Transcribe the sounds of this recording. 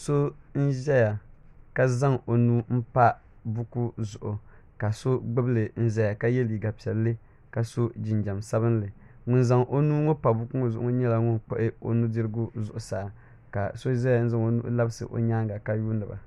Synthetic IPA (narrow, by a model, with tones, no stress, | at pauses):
so˦n̩˦ʒɛ˦ja˨ka˦za˦ŋo˨nuː˦m̩˦pa˦ | bʊ˦ku˦zʊ˨ʔʊ˨ | ka˨so˦ɡ͡bɨ˦blɨ˨n̩˦ʒɛ˦ja˨ka˦jɛ˦li˨ɡa˨pi˨ɛ˨lːɨ˦ | ka˨so˦d͡ʒɪ˨nd͡ʒa˨msa˦bɨ˦n˦lɨ˨ | ŋʊ˦˨nza˨ŋʔo˦nuː˦ŋo˦pa˨bʊ˦ku˦ŋo˨zʊ˨ʔʊ˦ɲɛ˦la˨ŋʊ˦nk͡pʊ̰˦ʔɪ˦o̰˨nu˦dɨ˦ɾɨ˦ɡʊ˦zʊ˨ʔʊ˨saː˨ | ka̰˨so˦ʒɛ˦a˨n̩˦za˦ŋo˨nṵ˦ʔla˦bɨ˦sɨ̰˨ʔo̰˨ɲaː˦ŋɡa˨ka˦ju˦nɨ˨ba̰˨